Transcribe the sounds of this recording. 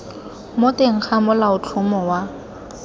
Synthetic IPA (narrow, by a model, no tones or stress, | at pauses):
moteŋ̩k͡xʰamʊlaʊt͡ɬʰʊmɔwa